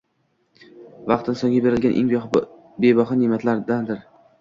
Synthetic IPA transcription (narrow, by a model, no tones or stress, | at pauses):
vɑq̚t̪ʰɪnsɒŋɡʲabe̞ɾɪlɡʲanʔḛŋb | bebɒχanɪmat̪laɾd̪and̪ɪɾ